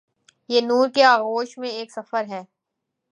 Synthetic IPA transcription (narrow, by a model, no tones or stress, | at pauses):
jeːnuːɾkeaːɣoːʃmẽeːksɐfəɾɦɛː